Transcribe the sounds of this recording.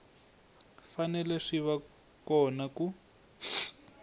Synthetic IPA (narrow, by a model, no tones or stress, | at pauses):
fanɛlɛʂiβa | kɔnaku